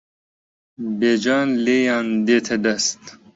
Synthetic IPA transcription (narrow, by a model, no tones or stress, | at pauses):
bed͡ʒɑːnleːjɑːnd̪eːt̪ʰed̪ɐst̪